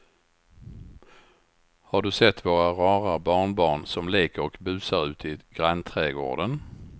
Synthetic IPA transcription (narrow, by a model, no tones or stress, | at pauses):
haɖɵsɛt̪ːvoːɾaɾɑːɾabɑːɳbɑːɳsɔmleːkəɾɔkbʉ̟ːsaɾʉ̟ːt̪ʰɪɡ̥ɾant̪ʰɾɛːɡo̰ːɖən